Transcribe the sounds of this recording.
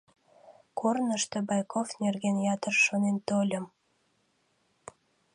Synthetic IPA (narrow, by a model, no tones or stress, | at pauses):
kornəʃt̪obɑjkofnerɣenjɑt̪ərʃonent̪olʲə̆m